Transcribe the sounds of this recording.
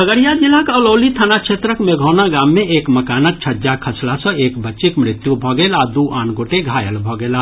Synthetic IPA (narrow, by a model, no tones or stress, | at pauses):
əɡəɾijad͡ʒilakəloːlit̪ʰanakʃʰet̪ɾəkmeɡʱɔːnaɡaːmːẽeːkməkaːnət̪̚t͡ʃʰəd͡ʒakʰəslasə̃eːkbətːʃikmɾɪt̪jubʱɔɡeːlad̪uʔaːnɡoːʈeɡʱaːjəlbʱɔɡeːla